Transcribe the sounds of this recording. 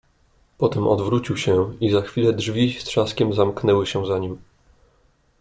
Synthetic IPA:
pɔt̪ɛmʔɔ̰d̪vɾut͡ɕiwɕɛ̃izaxfʲilɛdʐvʲist̪ʂaskʲɛmzamknɛwɘɕɛzaɲim

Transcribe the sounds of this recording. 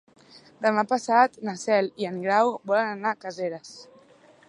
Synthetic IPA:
d̪əmapəsat̪nəsɛliəŋɡɾawβɔlənənakəzeɾəs

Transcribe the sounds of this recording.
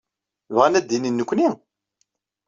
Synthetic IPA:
vʁænæd̪ːininːəkʷːni

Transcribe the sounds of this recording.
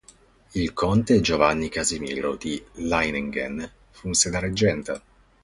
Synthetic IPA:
ilkʰont̪ed͡ʒovanːikazimiːɾo̰d̪ilajneŋɡḛn | funsed̪aɾed͡ʒːɛnt̪a

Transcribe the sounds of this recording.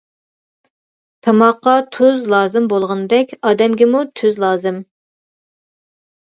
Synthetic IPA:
t̪ʰɑmɑqːɑt̪ʰøzlˠɑːzɨmbolˠʁənɨd̪ɛkʲɑːd̪ɛmɡʲɪmut̪ʰøzlˠɑːzɨm

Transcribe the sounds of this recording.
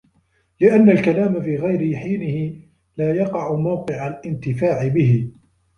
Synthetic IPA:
lɪʔanːalkalaːmafiːɣajɾɪħiːnɪhɪ | laːjɑqɑʕʊmawqɨʕalʔɪnt̪ɪfaːʕɪbɪhɪ

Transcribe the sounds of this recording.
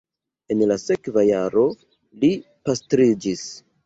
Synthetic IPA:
e̞nlase̞kvajaɾo̞ | li | pastɾid͡ʒis

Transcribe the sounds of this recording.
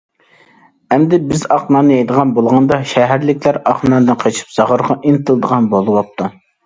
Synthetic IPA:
ɛmd̪ɪbɪzɑχnɑnɨjejd̪əʁɑnbolˠʁɑnd̪ɑʃɛɦæɾlɪkʲlæɾɑχnɑnd̪ɨnqʰet͡ʃʰi̥p̚z̥ɑʁʊɾʁɑʔinɨt̪ʰɨlˠd̪əʁɑnbolˠɨwɑp̚t̪ʰu

